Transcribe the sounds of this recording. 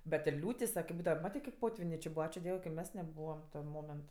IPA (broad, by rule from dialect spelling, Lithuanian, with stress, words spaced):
bʲɛt ɪr ˈlʲuːtʲɪs ʋɐ kʲɪp ˈbuːdɐʋɐ ˈmɑːtʲeː kɐɪp ˈpoːtʲʋʲɪnʲeː t͡ʃʲɪ ˈbʊɐ ˈɑːt͡ʃʲʊ ˈdʲiɛw kɐ ɪ ˈmʲɛs nʲɛˈbuːʋɐm tʲɛn ˈmoːmʲɛnt